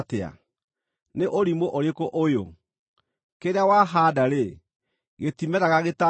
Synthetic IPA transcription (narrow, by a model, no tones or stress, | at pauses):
tea̰ | neʔoɾimoʔoɾekoʔojo | keɾeawaɦadaɾe | ɣetimɛɾaɣaɣeta